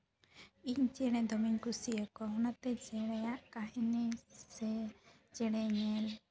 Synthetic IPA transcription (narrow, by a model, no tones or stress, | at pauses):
iɲt͡ʃɛɽ̃ɛ̃d̪ɔmiɲkusiəkɔɦɔnat̪ɛd͡ʒɛɽ̃ɛjaʔkaɦɛnisɛ | d͡ʒɛɽ̃ɛɲɛl